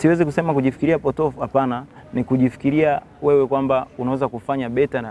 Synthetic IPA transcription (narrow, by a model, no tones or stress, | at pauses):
siwɛzikusɛmakuʄifi̥kiɾiapɔtɔfuhapananikuʄifi̥kiɾia | wɛwɛkwambaunawɛzakufaɲaɓɛta